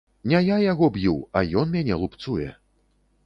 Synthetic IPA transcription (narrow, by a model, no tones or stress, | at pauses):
nʲɛjajaɣɔbjuwɐjɔnmʲanʲɛlˠupt̪sujɛ̰